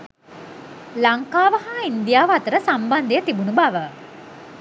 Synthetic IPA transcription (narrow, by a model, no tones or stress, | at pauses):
laŋkaːʋəɦaːind̪ijaːʋat̪əɾəsamband̪ejət̪ibunubaʋə